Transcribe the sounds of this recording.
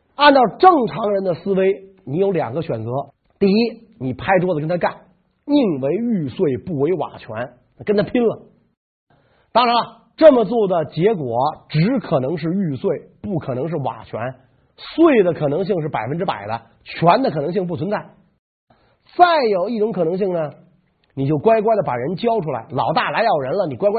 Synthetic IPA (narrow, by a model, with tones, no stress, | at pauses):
a˥˧nt̪ɑ˥˧ʊʈ͡ʂɤ˥˩ŋʈ͡ʂʰɑ˧˥ŋɻə˧˥nd̪ə˧sɹ̩˥we˥ɪni˧˥jo˧˥ʊljɑ̰˨˩ŋɡə˦ɕɥɛ˨˩nt͡sɤ˧˥ | t̪i˥˧i˥ | ni˨˩pʰa˥ɪʈ͡ʂ̪wɔ˥d̪ə˩kə˥nt̪ʰa˥ka˥˩n | i˥˩ŋwe˧˥ɪy˥˧swe˥˩˧ɪpu˥˩we˧˥ɪwa̰˨˩t͡ɕʰɥɛ̰˧˥n˩ | kə˥nt̪ʰa˥pʰi˥nlə˨ | t̪ɑ˥ŋɻa˧˥nɐ˧ | ʈ͡ʂɤ˥˩mə˩t͡swɔ˥˩d̪ə˩t͡ɕjɛ˧˥kwɔ˨˩˦ʈ͡ʂɻ̩˧˥kʰɤ˨˩nɤ˧˥ŋʂ̬ɻ̩˥˧y˥˧swe˥˩ɪpu˥˩kʰɤ˨˩nɤ˧˥ŋʂɻ̩˥˩wa̰˨˩t͡ɕʰɥɛ̰˧˥n | swe˥˩ɪd̪ə˩kʰɤ˨˩nɤ˧˥ŋɕ̬i˥˧ŋʂ̬ɻ̩˥˩pa˨˩ɪfə˥nʈ͡ʂɻ̩˥pa̰˨˩ɪd̪ə̰˦ | t͡ɕʰɥɛ˧˥nd̪ə˨kʰɤ˨˩nɤ˧˥ŋɕ̬i˥˧ŋp̬u˥˩t͡sʰə˧˥nt͡sa˥˩ɪ | t͡sa˥˩ɪjo˨˩ʊi˥˩ʈ͡ʂʊ˧˥ŋkʰɤ˨˩nɤ˧˥ŋɕ̬i˥˩ŋnə˩ | ni˨˩t͡ɕjo˥˩ʊkwa˥ɪkwa˥ɪd̪ə˩pa˨˩ɻə˧˥nt͡ɕjɑ˥ʊʈ͡ʂʰu˥la˧˥ɪlɑ˨˩ʊt̪a˥˩la˧˥ɪjɑ˥˩ʊɻə˧˥nlə˨ni˨˩kwa˥ɪkw